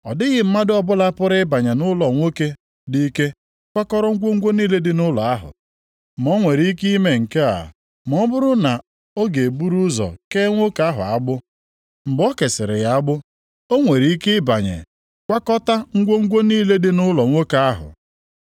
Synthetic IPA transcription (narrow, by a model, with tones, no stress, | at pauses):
ɔ̰˨dɪ˦ɣɪ˨m̩˦ma˦dɪ˦ɔ˦bʊ˦la˦pʊ˦ɾɪ˦ɪ˦ba˨ɲe˨nʊ˦lɔ˨ŋʷo˦ke˦ | di˦i˦ke˦ | kʷa˦kɔ˦ɾɔ˦ŋ̩˦ɡʷo˦ŋ̩˦ɡʷo˦niː˦le˦dɪ˦nʊ˦lɔ˨a˦ɦʊ̰˨ | m˨o˦ŋʷe˨ɾi˦ki˦me˦ŋ̩˨ke˦a̰˨ | mɔ˦bʊ˦ɾʊ˦na˨ | o˦ɡe˨e˨bu˦ɾu˦zɔ̰˨ke˦ŋʷo˦ka˦ɦʊ̰˨a˦ɡ͡bʊ˦ | m̩˨ɡ͡bɔ˦ke˨sɪ˨ɾɪ̰˨ɣa˨a˦ɡ͡bʊ˦ | o˦ŋʷe˨ɾi˨˦i˦kɪ˦ɪ˦ba˨ɲḛ˨ | kʷa˦kɔ˦ta˦ŋ̩˦ɡʷo˦ŋ̩˦ɡʷo˦niː˦le˦dɪ˦nʊ˦lɔ˨ŋʷo˦ka˦ɦʊ̰˨